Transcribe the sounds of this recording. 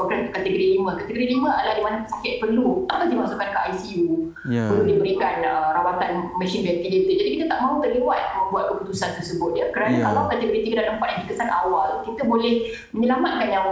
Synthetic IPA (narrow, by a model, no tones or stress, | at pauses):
ɔɡɾant̪ukat̪əɡoɾilimə̃kat̪əɡoɾilimə̃alahdimanəpəsakɪt̪̚pərluakasdimaʔsukankəʔajsiu | pəludibəɾikanərawat̪anmɛ̃sɪnbɛnkidet̪əd͡ʒadikit̪ət̪aʔmãɦut̪ərliwat̪̚jamə̃mbuat̪̚kəput̪usant̪ərsəbʊt̪̚jakəɾanakalakat̪əɡoɾit̪ikədad̪əmpat̪̚jãndikəsanʔawalkit̪əbolɛh | məɲəlamat̪̚kanɲaw